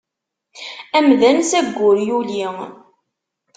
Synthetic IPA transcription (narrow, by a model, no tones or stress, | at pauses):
æmðænsæɡʷːʊɾjuli